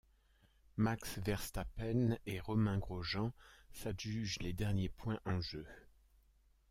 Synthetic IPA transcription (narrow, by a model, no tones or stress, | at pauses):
maksvɛʁst̪apɛneʁɔmɛ̃ɡʁoʒɑ̃saʒyʒled̪ɛʁnjepwɛ̃ʔɑ̃ʒø